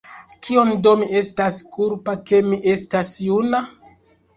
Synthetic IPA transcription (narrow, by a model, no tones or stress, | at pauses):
kʰio̞ndo̞miʔe̞staskʰuɾpake̞miʔe̞stasjuna